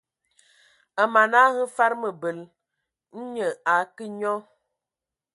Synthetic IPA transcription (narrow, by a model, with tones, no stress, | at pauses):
ə˨ma˨na˦hə˦fa˦ɾmə˨bə˨l | n̩˦ɲə˨a˨˦kə˦ɲɔ˦